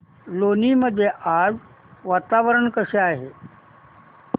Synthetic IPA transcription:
loːniməd̪ʱjeʔaːz | ʋaːt̪aːʋəɾəɳkəʃeaːɦeː

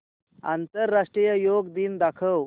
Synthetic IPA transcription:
a̰nt̪əɾːaʂʈɾijəjoɡd̪iːnd̪akʰəw

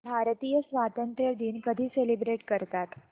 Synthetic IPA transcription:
bʱaɾt̪iːjəsʋat̪ənt̪ɾəd̪iːnkəd̪ʱiːselibɾeʈkəɾt̪at̪

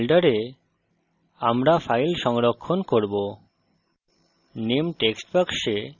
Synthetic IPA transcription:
lɖaɾe | amɾafʰajlʃɔŋɾokʰːonkoɾbo | nemʈeksʈpakʃe

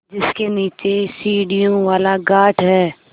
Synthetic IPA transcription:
d͡ʒɪskeniːt͡ʃesiːɽijõʋaːlaɡaːʈʰɦɛː

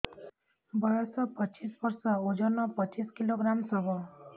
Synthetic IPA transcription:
bɔjɔsɔpʌt͡ʃisbʌɾsɔod͡ʒɔnɔpʌt͡ʃiskiloɡɾamsɔbʱɔ

